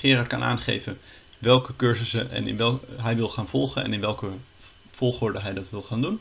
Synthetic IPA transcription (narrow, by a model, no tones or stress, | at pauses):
χɪːrɑɹtkɑnʔa̰ːnχḛjvən | ʋɛlˠkəkøɹzəsəɛ̰nɪ̰nʋɛɦɛjʋɪlˠχaːnv̥ɔlˠχənɛ̰nɪnʋɛlˠkə | v̥ɔlˠχʊːɹdəɦɛjdɑtʋɪlˠχaːndun